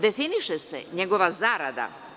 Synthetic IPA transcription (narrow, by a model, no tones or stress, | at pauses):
d̪e̞finiʃesḛɲeɡo̞ʋazaːɾad̪a̰